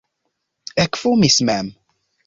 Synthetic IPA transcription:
ɛkfumismæm

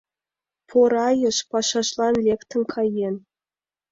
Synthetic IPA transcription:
pʰoɾɑjɤ̆ʃpɑʂɑʃlˠɑnlʲekt̪ɤ̆nkʰɑjen

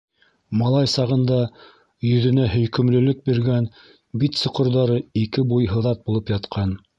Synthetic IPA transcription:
mɑlˠɑjsɑʁɤ̆nd̪ɑ | jɵ̆ðɵ̆næɦɵ̆jkɵ̆mlɵ̆lɵk̚biɾɡæn | bit̪sɤ̆qŏɾðɑɾɤikɘbujɦɤ̆ðɑt̪̚bulˠɤpjɑt̪qʰɑn

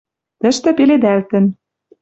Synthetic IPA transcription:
t̪ə̆ʃt̪ɘ̆peled̪ælt̪ɘ̆n

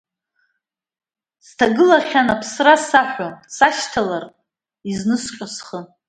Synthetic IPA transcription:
stʰaɡɨlaχʲanapʰsrasaħʷᶣasaʃtʰalar | iznɨsqʲʷʼasχə

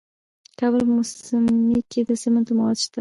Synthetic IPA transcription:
kʰʲabɪɾmʊsɪmikʲʰed̪asement̪ɪmɒt̪ʰɪ̥ʃt̪ɪ

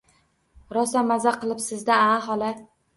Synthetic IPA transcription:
ɾɒsamːazaqʰɨlˠɪpsɪzd̪aaɦɒlˠa

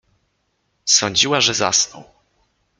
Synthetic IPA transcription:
sɔɲd͡ʑiwaʐɛza̰snɔ̰w

